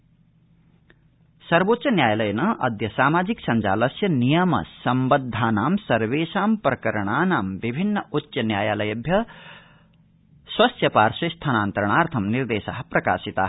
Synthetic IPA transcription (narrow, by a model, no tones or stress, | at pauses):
sɐɾʋoːt̪ːt͡ʃɐnjaːjɐlɐjɐnɐʔɐ̰d̪jɐsaːmaːd͡ʒiksɐɲt͡ʃa̰ːlɐsjɐnijɐmɐ̰sɐmbɐd̪ʱːaːnaːmsɐɾʋeːʃaːmpɾɐkɐɾɐɳ̃aːnaːmʋibʱinːɐutːʃɐnjaːjaːlɐjɐbʱjɐ | swɐsjɐpaːɾsɐst̪ʰanaːnt̪ɐɾɐɳ̃aːɾt̪ʰɐmniɾd̪eːʃa̰ːɦɐpɾɐka̰ːsit̪a̰ːɦ